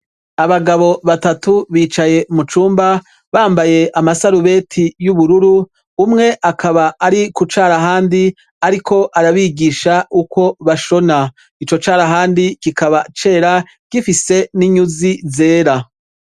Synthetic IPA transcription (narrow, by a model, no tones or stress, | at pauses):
aβaɡaβo̞βatatuβiːt͡ʃaje̞mut͡ʃuːmba | βaːmbaje̞ʔamasaɾuβe̞tʰijuβuɾuɾuː | mŋe̞ʔakʰaβaːɾikut͡ʃaːɾaɦaːndi | aɾikʰo̞ʔaɾaβiɡiːʃauko̞βaʃo̞na | it͡ʃo̞t͡ʃaːɾaɦaːndikikaβat͡ʃe̞ːɾa | ɡ̥ifise̞niɲuzize̞ːɾa